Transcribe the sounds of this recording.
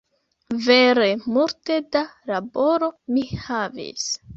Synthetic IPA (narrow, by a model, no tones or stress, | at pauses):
veɾe̞muɾte̞dalaboɾo̞mihavḭs